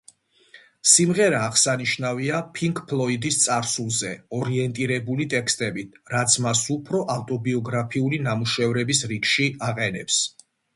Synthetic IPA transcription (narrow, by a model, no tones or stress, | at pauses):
simʁɛɾaːʁsaniʃnaviapʰiŋkʰʼpʰlˠɔid̪ist̪sʼaɾsulˠzɛɔɾiɛnt̪ʼiɾɛbulit̪ʼɛkʰst̪ʼɛbit̪̚ʰɾat̪sʰmasupʰɾɔʔaft̪ʼɔbiɔɡɾapʰiulinamuʃɛvɾɛbisɾikʃiaqʼɛnɛ̰ps